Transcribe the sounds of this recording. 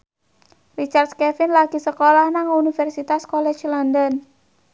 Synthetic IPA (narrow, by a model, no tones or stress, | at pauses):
rit͡ʃard̪skɛfɪnlaɡ̥i̤səkolahnaŋunifɛrsit̪askolɛ̥t͡ʃlɔndɔn